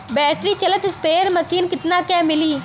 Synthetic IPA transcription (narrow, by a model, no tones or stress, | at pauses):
bɛːʈɾiːt͡ʃələt̪speːɾməsiːnkɪt̪naːkɛːmɪliː